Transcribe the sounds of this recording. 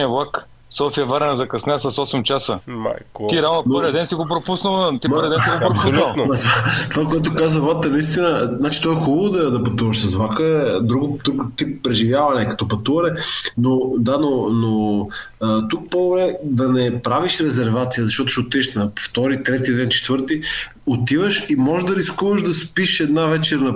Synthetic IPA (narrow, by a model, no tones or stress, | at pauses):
iɐvlˠak | sɔfiɐvɐɾɛnɐzɐkɐsnʲɛsɐsɔsɛmt͡ʃasə | iɾanɐpnoɾɛd̪ɛnsiɡopɾopusnəlˠt̪imɔɾid̪ɛ̃niɡopɾopunlˠmɐt̪at̪ovakoɛt̪okazvəvat̪əɛnɐist̪inəznat͡ʃi̥t̪ɔɛxubəlˠod̪ɐd̪ɐpɐt̪uvɐʃsɐsvakəd̪ɾuɡʊd̪ukt̪ippːɾɛʒivjavɐnɛkɐ̥t̪ɔpɐt̪uvɐnɛnod̪anono | t̪uk̚pod̪obɾɛd̪ɐnɛpɾaviʃɾɛzɛɾvat̪sijəzɐʃt̪ɔt̪ʊ̥ʃiot̪iɛʃnɐft̪ɔɾit̪ɾɛt̪id̪ɛnt͡ʃɛ̥t̪vəɾt̪i | ot̪ivəʃimɔʒd̪ɐɾiskuvəʒd̪ɐspiʃɛd̪navɛt͡ʃɛɾnɐ